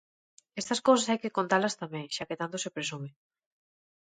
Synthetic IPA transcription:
est̪ɐskowsasajkekont̪aɾlɐst̪amɛ̃ŋʃaket̪ant̪osepɾesume

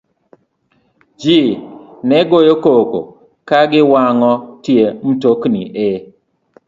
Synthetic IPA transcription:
d͡ʒinɛɡojokoko̰ | kaɡɪwaŋɔtjem̩toknḭʔɪ

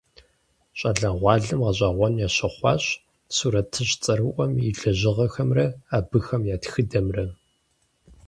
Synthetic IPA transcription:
ɕʼɐɮɐʁʷɑːɮɨmʁɐɕʼaːʁʷɔnjaːɕɐχʷɑ̰ːɕ | suːɾɐtʰɨɕt͡sʼɐɾɨʔʷɔmiɮɐʑɪʁɐxɐmrɐaːbɨxɐmjaːtxɨdɐmrɐ

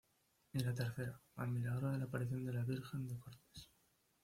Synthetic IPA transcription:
ilat̪e̞ɾθe̞ɾaa̰lmilaɾoðe̞lapaɾiθjo̞nd̪e̞laβiɾxe̞nd̪ekoɾt̪e̥s

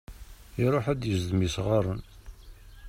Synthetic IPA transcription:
iɾˤoħæd̪jəzðmisʁaɾˤən

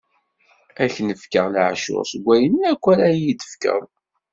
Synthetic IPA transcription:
æçnəfkəʁlʕʃʊ̰ʁsəɡʷːæjənækʷːæɾæjid̪ə̥fkə̰ðˤ

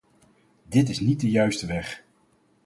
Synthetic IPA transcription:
dɪtɪsnit̚dəjœɥstəʋɛχ

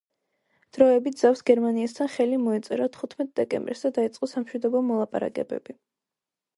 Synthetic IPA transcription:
d̪̥ɾɔɛbit̪d̪z̥afsɡɛɾmaniast̪ʰanχɛlimɔɛt̪sʼɛɾat̪ʰχut̪ʰmɛt̪̚ʼd̪ɛkʼɛ̰mbɾsd̪ad̪ait̪sʼqʼɔsamʃwid̪ɔbɔmɔlˠapʼa̰ɾa̰kʼɛ̰bɛ̰b̥i

